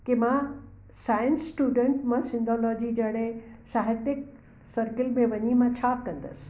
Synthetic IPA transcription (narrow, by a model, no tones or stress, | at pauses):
kemãː | saːjə̃nsːʈuːɖə̃ɳʈmãsɪ̃nd̪ɔlɔːd͡ʑid͡ʑɐɽesaːɦɪt̪ɪk̚ | sɐɾkɪlmẽʋɐɲimãt͡ɕʰaːkɐ̃nd̪əs